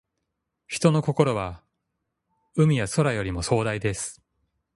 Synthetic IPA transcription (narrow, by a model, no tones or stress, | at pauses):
çi̥t̪o̞no̞ko̞ko̞ɾo̞βa | ɯ̟mʲijaso̞ɾajo̞ɾʲimo̞so̞ːd̪aid̪e̞sɨ̥